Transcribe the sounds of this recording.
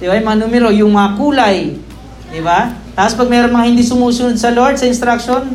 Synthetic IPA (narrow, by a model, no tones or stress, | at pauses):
d̪ɪbaʔːjmɐŋanuːmɛɾo̞jʊŋmɐŋakuːlaj | d̪ɪbat̪aːpospɐɡ̚mɛːɾonmɐŋahɪnd̪iːsʊmuːsʊnod̪̚sɐloɹt̪sɐɪnst̪ɾakʃon